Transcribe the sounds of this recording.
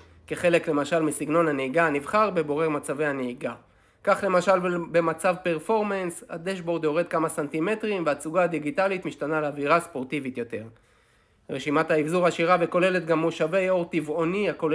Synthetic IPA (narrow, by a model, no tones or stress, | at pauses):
keχe̞le̞kle̞maʃalmisiɡno̞naneiɡanivχaʁbe̞bo̞ʁe̞ʁmat͡savejhaneiɡa | kaχle̞maʃalbemat͡savpe̞ʁfo̞ʁmensa̰d̪eʃbo̞ʁd̪jo̞ʁe̞d̪̚kamasant̪ime̞t̪ʁimveat͡suɡaːd̪iɡit̪alit̪miʃtanaleaviʁaspo̞ʁt̪ivit̪jo̞t̪e̞ʁ | ʁeʃimat̪haivzuʁaʃiʁaveko̞le̞le̞t̪̚ɡamːoʃave̞jo̞ʁt̪ivo̞niakol